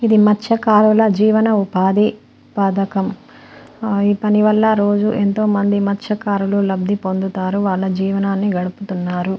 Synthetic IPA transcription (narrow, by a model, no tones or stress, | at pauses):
id̪imɐtːʃɐkaːɾulɐd͡ʒiːʋɐnɐupaːd̪i | paːd̪ɐkɐm | iːpɐniʋɐlːɐɾo̞ːd͡ʒuʔent̪o̞ːmɐnd̪imɐtːʃɐkaːɾululɐb̚d̪ʱipo̞nd̪ut̪aːɾuʋaːɭːɐd͡ʒiːʋɐnaːnːiɡɐɽuput̪unːaːɾu